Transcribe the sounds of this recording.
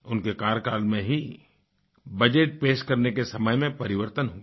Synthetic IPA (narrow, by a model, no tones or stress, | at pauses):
ʊnkekaːɾkaːlmẽɦi | bɐd͡ʒeʈ̚peːʃkɐɾnekesɐməjmẽpɐɾɪʋəɾt̪ənɦoːɡ